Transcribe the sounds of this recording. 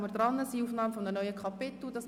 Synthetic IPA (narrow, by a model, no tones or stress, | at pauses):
məɾd̥̪ɾɑnəsiuːfnɑːmfɔmdənœʏəkʰɑpɪt̪l̩dɑs